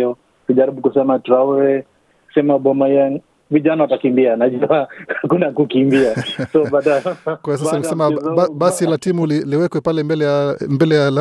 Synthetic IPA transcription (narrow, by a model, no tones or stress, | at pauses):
ɔ | kuʄaɾiɓukusɛmatɾauɾɛ | sɛmaɓɔmaia | viʄanawatakimbianaʄuahakunakukimbiasɔɓaɗakwajɔs̬asaniksɛmaaɓasilatimuliliwɛkwɛpalɛmbɛlɛjambɛlɛjala